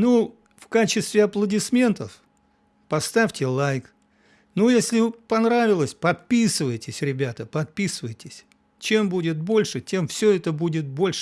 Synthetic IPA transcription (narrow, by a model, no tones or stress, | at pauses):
nu | fkat͡ɕɪst̪vʲɪɐplˠədʲɪsmʲe̞nt̪əf | pɐst̪afʲtʲɪlˠajk | nujesʲlʲɪpɐnɾavʲɪlˠəsʲpɐt̪̚pʲisɨvəjɪtʲɪsʲɾʲɪbʲat̪əpɐt̪̚pʲisɨvəjtʲɪsʲ | t͡ɕe̞mbudʲɪt̪̚bo̞lʲʂɨtʲe̞mfsʲɵɛt̪əbudʲɪt̪̚bo̞lʲʂɨ